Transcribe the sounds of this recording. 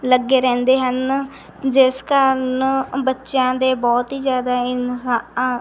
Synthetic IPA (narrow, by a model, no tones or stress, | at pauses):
ləɡːeːɾɛ̃ːnd̪eːɦən | d͡ʒɪskəɾnbətːʃjãːd̪eːbɔːt̪ɦiːd͡ʒjaːd̪aːɪnsa